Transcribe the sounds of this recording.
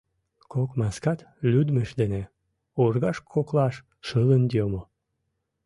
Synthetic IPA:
kokmɑskɑt̪lʲyd̪məʃd̪ene | orɣɑʃkʰoklɑʃ | ʃɨlənd̪jomo

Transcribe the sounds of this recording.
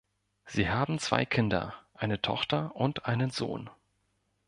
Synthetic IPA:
z̥iːhaːbm̩t͡sv̥a̰ɪkʰɪndɐ̰ʔaɪnətʰɔ̰χtɐʔʊntʔaɪnənzo̰ːn

